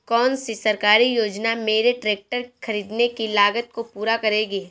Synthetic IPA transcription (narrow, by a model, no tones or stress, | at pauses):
kɔːnsesɐɾkaːɾijoːd͡ʒnameːɾeʈɾeːk̚ʈəɾxʰɐɾiːd̪nekilaːɡət̪̚kopuːɾakɐɾeːɡeː